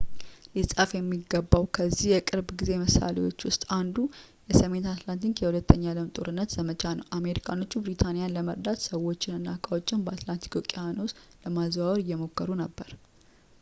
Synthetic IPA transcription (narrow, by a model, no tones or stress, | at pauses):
lisʼafjɛmːiɡːəbːawkʰəzːihjɛkʼɨɾbɡize̞məsa̰lewo̞t͡ʃːwʊst̪ʼand̪u | jɛsəme̞nt̪at̪lant̪iŋkjɛhulət̪ːəɲːalɨmt̪ʼo̰ɾɨnːət̪z̥əmət͡ʃʰanəwʔame̞ɾikʰano̞t͡ʃːubɾit̪ʰanijanləməɾd̪at̪səwo̞t͡ʃːɪnɨnːakʼawo̞t͡ʃːɪnbəat̪lant̪ʰi̥kʰokʼiano̞sləmazwawɾɨjːɛmo̞kːəɾunəbːəɾ